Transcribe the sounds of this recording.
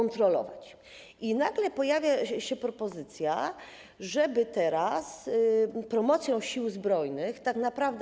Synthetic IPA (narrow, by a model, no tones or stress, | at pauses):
ɔnt̪ɾɔlɔ̰vat͡ɕ | inaɡlɛpɔjavʲjaɕɛpɾɔpɔzɘt̪sʲja̰ | ʐɛbɘt̪ɛɾas | pɾɔmɔt̪sʲjɔ̃w̃ɕiwzbɾɔjnɘxt̪aknapɾavd̪